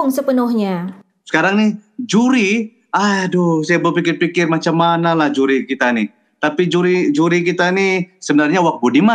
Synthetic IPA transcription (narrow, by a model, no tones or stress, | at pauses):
ŋsəpənʊhɲa | sə̥kaɾaŋnɪhd͡ʒuɾi | adohsajabəpikɪrpikɪrmat͡ʃamːanalahd͡ʒuɾikit̪anɪ | t̪apid͡ʒuɾid͡ʒuɾik̬it̪anisəbənarɲawak̚bodima